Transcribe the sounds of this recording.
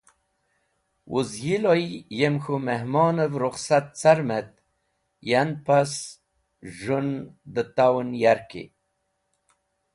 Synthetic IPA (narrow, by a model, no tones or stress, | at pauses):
wʔuzjilojjemxumeɦmoːnəvɾʊχsat̪̚t͡saɾmet̪̚ | janpas | ʒund̪ət̪awnjaɾkḭ